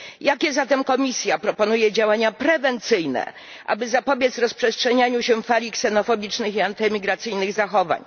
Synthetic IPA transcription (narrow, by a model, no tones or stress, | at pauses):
jakʲɛzat̪ɛmkɔmʲisʲjapɾɔpɔnujɛd͡ʑawaɲapɾɛvɛnt̪sɘjnɛ̰ | ʔa̰bɘzapɔbʲjɛt̪zɾɔspʂɛstʂɛɲaɲuɕɛfalʲiksɛnɔfɔbʲit͡ʂnɘxiant̪ɘmʲiɡɾat̪sɘjnɘɣzaxɔva̰ɲ